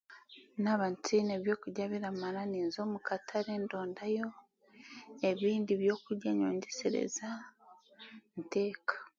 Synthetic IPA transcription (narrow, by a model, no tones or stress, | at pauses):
naβantine̞βjo̞ːkuɟaβiɾamaɾaniːnzo̞ːmukatʰaɾeːndo̞ːndajo̞ | e̞βiːndiβjo̞ːkuɾɟaɲo̞̰ːɲɟeseɾḛza | nte̞ːkḁ